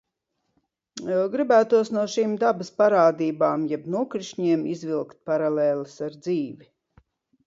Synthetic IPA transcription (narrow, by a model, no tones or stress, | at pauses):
ɡɾibæːt̪uɔsnuɔʃiːmd̪abaspaɾaːd̪iːbaːmjɛbnuɔkɾiʃɲiɛmizvilˠkt̪̚paɾalɛːlˠɨsaɾd̪ziːvʲi